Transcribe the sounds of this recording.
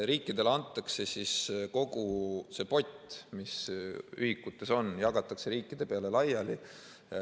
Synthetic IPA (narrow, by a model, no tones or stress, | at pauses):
ɾiːkːˑid̪̥e̞lɑnt̪ːˑɑkse̞sisko̞ɡ̥use̞po̞tʲːˑmisyhikːˑut̪ːˑe̞so̞njɑɡ̥ɑt̪ːˑɑkse̞ɾiːkːˑid̪̥e̞pe̞ɑle̞lɑjɑli